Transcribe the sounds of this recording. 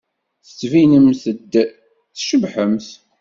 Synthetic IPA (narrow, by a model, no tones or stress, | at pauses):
θə̥t͡sːvinəmθəd̪ | θʃəbħəmθ